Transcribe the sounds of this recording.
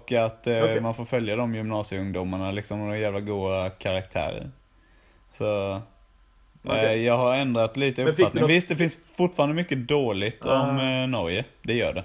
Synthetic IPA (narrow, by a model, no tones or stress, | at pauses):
kːat̪manfoːɾfœljad̪ɔmjʏmnɑːsjəɵŋd̪ʊmaɳalɪksɔmd̪ɔjæːvlaɡuːdakʰaɾak̚t̪ʰæ̰ːɾə̰ɾ | sɔ | jɑːɡɦaɾɛnd̪ɾat̪liːt̪əɵpːfat̪nɪŋvɪst̪d̪ɛfɪnsfʊʈfɑːɾanəmʏkːəd̪oːlɪɡt̪ʰɔmnɔɾjəd̪ɛjœ̰ːɖɛ